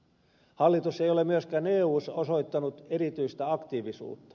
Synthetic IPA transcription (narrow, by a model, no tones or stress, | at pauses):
hɑlːit̪usejolemyøskæːneːuːsɑosoijt̪ːɑnut̪eɾit̪yist̪æɑkt̪iːʋisṵːt̪ːɑ̥